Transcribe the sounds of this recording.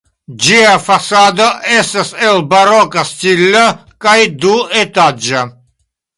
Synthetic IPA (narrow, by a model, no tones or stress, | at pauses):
d͡ʒiafasad̪oʔest̪aselbaɾokastilːa | kajd̪uet̪ad͡ʒa